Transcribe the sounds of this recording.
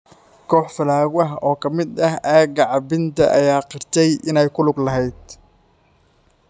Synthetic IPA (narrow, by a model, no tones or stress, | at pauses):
kʰɔːħfɐlaːɣwɐɦɔːkʰɐmɪd̪ɐɦʔaːɡɐʕɑbɪnt̪ʰɐ̰ʔɐjaːqɪrt̪ʰɛjɪnɛjkʰʊlʊɡlɐɦɛjd̪̥